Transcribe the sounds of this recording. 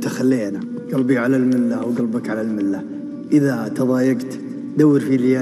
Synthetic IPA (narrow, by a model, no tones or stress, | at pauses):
t̪axalːeːna | ɡ̥albiʕalalmɪlːawɡalbakʕalalmɪlːa | ʔɪðat̪ɑðˤɑːjaɡt̪ | d̪awːɪɾfilaː